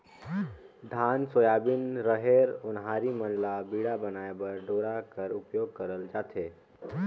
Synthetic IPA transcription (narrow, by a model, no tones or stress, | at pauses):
ɖʱaːnsoːjaːbɪnɾəɦeɾʊnɦaːɾimənlabiːɽabənaːebəɾɖʱoːɾakəɾʊpjoːɡ̚kəɾəld͡ʒaːt̪eː